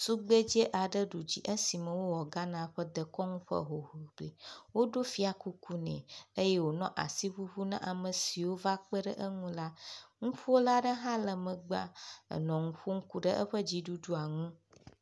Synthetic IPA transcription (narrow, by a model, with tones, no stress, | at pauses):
su˦ɡ͡bə˦d͡ʑe˦ʔa˨ɖə˦ɖu˨d͡ʑi˦ʔə˦si˨mə̃˨wo˦wɔ˨ɡa˦nã˦ɸə˦d̪ə˨kɔ˦ŋũ˦ɸə̰˦ɦo˨ɦu˨ɡ͡be˨wo˦ɖo˦fi˦a˨ku˦kʰu˦nɛ̰̃˨ə˦jɛ˦wo˨nɔ̃˦ʔa̰˨si˦ɸu˦ɸu˦nã̰˦ʔa˨mə˨si˨wo˦va˦k͡pə˦ɖə˦ʔə˦ŋũ˦la˦ŋũ˦ɸu˦o˦la˦ɖə˦ɦã˦lə˨mə̃˨ɡ͡ba̰˦ə̰˨nɔ̃˨ŋũ˨˦ɸu˦ŋ̩˦ku˦ɖə˦ʔə̰˦ɸə˦d͡ʑi˦ɖu˦ɖu˦a˨ŋũ˦